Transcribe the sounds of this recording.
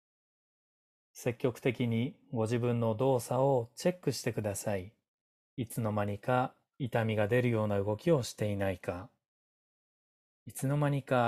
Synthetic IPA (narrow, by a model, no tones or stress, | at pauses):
se̞kʲːo̞kɯ̟̥t̪e̞kʲiɲ̟iɡo̞ʑibɯ̟̃nːo̞d̪o̞ːsao̞t͡ɕe̞kːɯ̟ɕi̥t̪e̞kɯ̟d̪asai | it͡sɨno̞maɲ̟ika | it̪amʲiɡad̪e̞ɾɯ̟jo̞ːnaɯ̟ɡo̞kʲio̞ɕi̥t̪e̞inaika | it͡sɨno̞maɲ̟ika